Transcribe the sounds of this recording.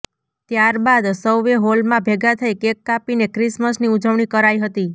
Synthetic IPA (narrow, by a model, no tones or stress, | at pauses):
t̪jaɾbad̪səwʋeɦolmãbʱeɡat̪ʰəikekːapinekɾɪsməsniud͡ʒəʋɳikəɾajɦət̪i